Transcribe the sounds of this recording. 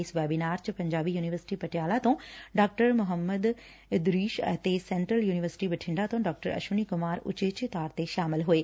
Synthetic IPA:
sʋɛːbinaːɾt͡ɕɪpɐ̃ɲd͡ʑaːbijuːniʋəɾsɪ̥ʈipɐʈjaːlat̪õɖaːk̚ʈəɾmʊɦəmːəd̪ | ɪd̪ɾiːʃt̪esɛ̃ːɳʈɾəljuːnɪʋəɾsɪ̥ʈibɪʈʰɪ̃ɳɖat̪õɖaːk̚ʈəɾɐ̰ʃunikʊmaːɾʊ̰t͡ɕeːt͡ɕt̪aːɾt̪eʃaːmɪlɦʊeː

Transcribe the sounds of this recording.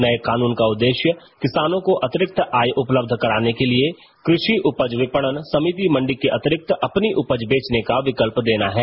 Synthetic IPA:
nɐekaːnuːnkaʊd̪ːeːʃjəkɪsaːnõkoʔɐt̪ɪɾɪk̚t̪aːjʔʊpləb̚d̪ʱkɐɾaːnekelie | kɾɪʃiʔʊpəd͡ʒʋɪpəɽ̃ənsɐmiːt̪̬imɐ̃ɳɖɪkːeʔɐt̪ɪɾɪk̚t̪ɐpniʔʊpəd͡ʒbeːt͡ʃnekaʋɪkəlpd̪eːnaɦɛː

